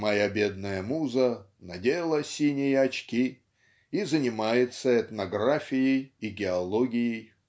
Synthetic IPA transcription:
mɐjabʲe̞d̪̚nəjəmuzə | nɐdʲelˠəsʲinʲɪjəɐt͡ɕkʲi | izənʲɪmajɪt̪səɛt̪nɐɡrafʲɪjɪjiɡʲɪɐlˠoɡʲɪjɪj

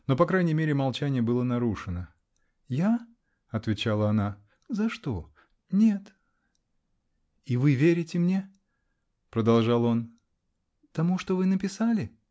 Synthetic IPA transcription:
no̞pɐkɾajnʲɪjmʲeɾʲɪmɐlˠt͡ɕænʲɪjəbɨlˠənɐɾuʂɨnə | ja | ɐt̪vʲɪt͡ɕalˠəɐna | zɐʂt̪o̞ | nʲe̞t̪ | ivɨvʲeɾʲɪtʲɪmnʲe̞ | pɾəd̪ɐlˠʐalˠo̞n | t̪ɐmuʂt̪o̞vɨnəpʲɪsalʲɪ

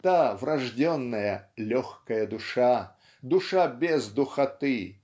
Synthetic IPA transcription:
t̪avɾɐʐdʲɔnːɐjəlʲɔxkɐjɐd̪ʊʂa | d̪ʊʂabʲezd̪ʊxɐt̪ɨ

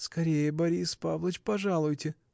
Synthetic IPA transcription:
skɐɾʲejəbɐɾʲispavlˠət͡ʃpɐʐalˠʊjtʲɪ

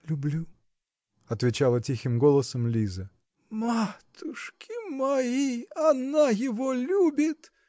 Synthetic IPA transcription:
lʲʊblʲu | ɐt̪vʲɪt͡ɕalˠətʲixʲɪmɡo̞lˠəsəmlʲizə | mat̪ʊʂkʲɪmɐiɐnajɪvolʲubʲɪt̪

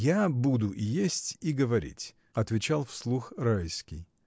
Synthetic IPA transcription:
jabud̪ʊʔijesʲtʲiɡəvɐɾʲḭtʲ | ɐt̪vʲɪt͡ɕalˠfslˠuxrajskʲɪj

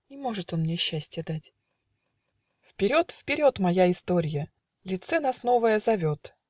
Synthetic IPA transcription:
nʲɪmo̞ʐɨt̪o̞nmnʲeɕːæsʲtʲjəd̪atʲ | fpʲɪɾʲo̞t̪fpʲɪɾʲo̞t̪mɐjaɪst̪o̞ɾʲɪjə | lʲɪt̪sɛnasno̞vəjəzɐvʲo̞t̪

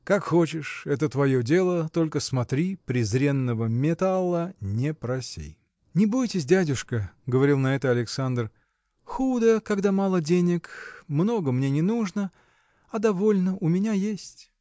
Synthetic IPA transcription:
kakxo̞t͡ɕɪʂɛt̪ət̪vɐjo̞dʲe̞lˠət̪o̞lʲkəsmɐt̪ɾʲipɾʲɪzɾʲe̞nːəvəmʲɪt̪alˠənʲɪpɾɐsʲḭ | nʲɪbujtʲɪs̬ʲdʲædʲʊʂkəɡəvɐɾʲilˠnɐɛt̪əɐlʲɪksand̪r | xud̪əkɐɡd̪amalˠədʲenʲɪkmno̞ɡəmnʲe̞nʲɪnuʐnə | ɐd̪ɐvo̞lʲnəʔʊmʲɪnʲajesʲtʲ

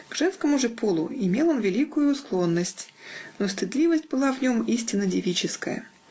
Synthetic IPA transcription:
ɡ̥ʐ̥ɛnskəmʊʐɨpʰolˠʊ̰ɪmʲe̞lˠonvʲɪlʲikʊjʊsklˠo̞nːəsʲtʲnost̪ɨd̪lʲivəsʲtʲbɨlˠavnʲo̞misʲtʲɪnːədʲɪvʲit͡ɕɪskəjə̰

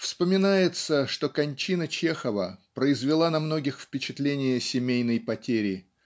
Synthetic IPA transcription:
fspəmʲɪnajɪt̪səʂt̪o̞kɐnʲt͡ɕinət͡ɕe̞xəvəpɾəɪzvʲɪlˠanɐmno̞ɡʲɪxfpʲɪt͡ɕɪt̪lʲenʲɪjəsʲɪmʲejnəjpɐtʲeɾʲɪ

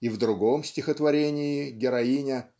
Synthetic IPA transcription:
ivd̪ɾʊɡo̞msʲtʲɪxət̪vɐɾʲenʲɪːɡʲɪɾɐinʲɪ

